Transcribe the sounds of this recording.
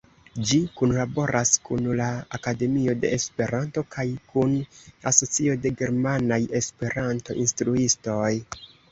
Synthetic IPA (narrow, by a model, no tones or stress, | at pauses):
d͡ʒikunlabo̞ɾʔaskunlaakade̞mio̞de̞̰espe̞ɾanto̞kajkunaso̞t͡sio̞de̞ɡe̞ɾmanaje̞spe̞ɾanto̞̰ʔinstɾuisto̞j